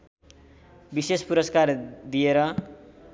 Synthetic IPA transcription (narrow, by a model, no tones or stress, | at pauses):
bisespuɾʌskard̪ijeɾʌ